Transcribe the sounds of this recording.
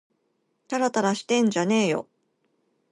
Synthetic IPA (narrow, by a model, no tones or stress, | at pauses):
t̪aɾat̪aɾaɕi̥t̪ẽ̞ɲ̟d͡ʑane̞ːjo̞̰